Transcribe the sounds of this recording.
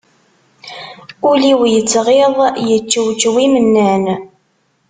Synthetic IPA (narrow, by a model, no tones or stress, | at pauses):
uliwjət͡sːʁeðˤjət͡ʃːəwt͡ʃːwimənːæn